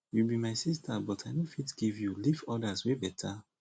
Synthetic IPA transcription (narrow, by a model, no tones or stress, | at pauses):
wibimajsistʰabɔtʰaɪnofitɡ̥ivjulifɔdaswebɛtʰa